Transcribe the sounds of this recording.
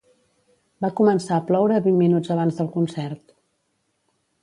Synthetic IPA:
bakumənsaəplɔwɾəβimmːinud͡zəβ̞anzðəlˠkunsɛrt̪

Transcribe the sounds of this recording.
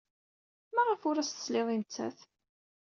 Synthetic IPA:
mæʁəfʊɾæst̪ə̥slɪðˤint͡sːæ̰θ

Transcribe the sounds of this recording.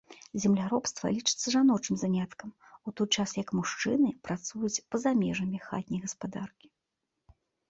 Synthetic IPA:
zʲɛmlʲaɾɔpst̪vɐ̰lʲit͡ʂɨ̥t̪sːɐʐanɔt͡ʂɨmzanʲat̪kɐm | ut̪ɔjt͡ʂasjɐkmuʂt͡ʂɨnɨpɾat̪sujut͡sʲpɐzamʲɛʐɐmʲixa̰t̪ʲnʲijɣɐspad̪arkʲi̥

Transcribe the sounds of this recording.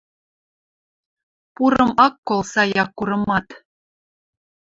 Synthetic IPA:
puɾɤ̆mɑkːolˠsɑjɑkːuɾɤ̆mɑt̪

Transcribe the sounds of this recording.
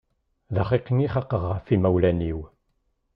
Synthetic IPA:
ðaχiqːəŋiχɑqəʁːəfimæwlæniw

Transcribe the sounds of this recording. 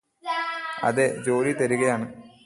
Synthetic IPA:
ɐ̰ðed͡ʑo̞ːɾit̪ɐɾuɣɐjaːɳɨ

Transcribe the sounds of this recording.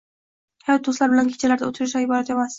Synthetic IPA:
hajɒt̪̚d̪ʊslaɾbɪlankʲʰe̥t͡ʃʰalaɾd̪aot̪ʰɪɾɪʃajɪbɒɾat̪e̞mas

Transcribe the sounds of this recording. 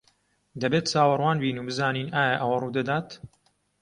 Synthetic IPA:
d̪ɐbeːt̪̚t͡saːwɐrwaːnbiːnuːbɨzaːniːnʔaːjɐʔɐwɐruːd̪ɐd̪aːt̪

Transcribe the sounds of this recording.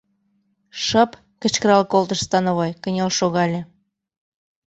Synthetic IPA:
ʃɤp | kə̆t͡ɕkəɾɑlkolt̪ə̆ʃst̪ɑnoβɑjkə̆nʲelʃoɣɑlʲĕ

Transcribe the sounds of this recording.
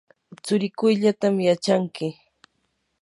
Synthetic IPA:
t͡sʊɾɪkʊjʎat̪amjat͡ʃaŋkɪ

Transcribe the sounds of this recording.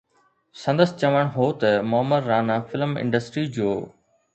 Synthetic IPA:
sɐ̃nd̪əst͡ɕɐʋəɽ̃ɦoːt̪ɐmʊɦəməɾːaːnaːfɪlmɪ̰̃ɳɖəsʈɾid͡ʑoː

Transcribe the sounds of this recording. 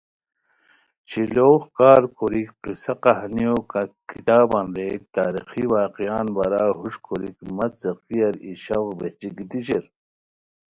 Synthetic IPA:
t͡ɕʰiloːxkaːɾkoɾikqisɐqɑɦnijokɐkit̪aːbanɾeːk̚t̪aːɾḭxiwaːqijaːnbɐɾaːɦuʂkʰoɾikmɐt͡sɐqijɐɾiɕɐʁbeht͡ɕikit̪iɕeɾ

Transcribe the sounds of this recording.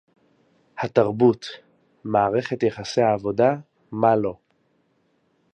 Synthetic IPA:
hataʁbut | maːʁe̞χetjeχasehaːvo̞da | malo̞

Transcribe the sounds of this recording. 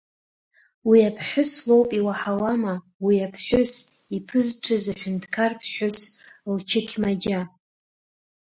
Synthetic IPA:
wiapʰħʷʊslo̞wpʼiwaħawama | wiapʰħʷʊs | ipʰɨzʈ͡ʂʷʰɨzaħʷᶣʊntʰʼkʰarpʰħʷʊslt͡ʃʰɪkʲʰmad͡ʒa

